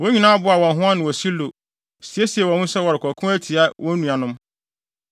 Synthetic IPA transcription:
wo˦ɲĩ˨nãː˦a˦bʊ˦a˨wɔ̃˨nɦʊ̃˦a˦nɪ̃˨wɔ˨si˦lo˨ | si˨e˦si˨ɛ˨wɔ̃˨hʊ̃˦sɛ˦wɔ˨ɾɪ˨kʰɔ˨kʰʊ̃˦æ˦tʰi˨a˦wʔɔ̃˦nũ˨a˨nʊ̃˦m

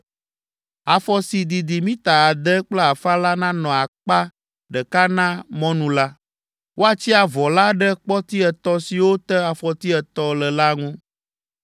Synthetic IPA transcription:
a˨fɔ˨si˨d̪i˨d̪i˨mĩ˦t̪a˨a˨d̪ə˦k͡plɛ˦a˨fa˦la˦nã˦nɔ̃˨a˨k͡pa˦ | ɖə˨ka˦nã˦mɔ̃˦nũ˨la˦ | wʔo˦a˨t͡ɕi˦a˨vɔ˨la˦ɖə˦k͡pɔ˦t̪i˦ɛ˨t̪ɔ˦si˨wo˦t̪ə˦a˨fɔ˨t̪i˦ɛ˨t̪ɔ˦lə˨la˦ŋũ˦

